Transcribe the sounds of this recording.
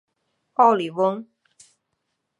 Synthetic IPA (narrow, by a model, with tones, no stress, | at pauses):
pa˥˩wli˨˩wə˥˦˥ŋ